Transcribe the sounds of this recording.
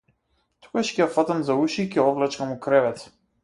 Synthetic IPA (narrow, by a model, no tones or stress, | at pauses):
t̪u̥ɡaʃkʲɛjafat̪amzauʃiːkʲɛɔvlɛt͡ʃkamukɾɛvɛt̪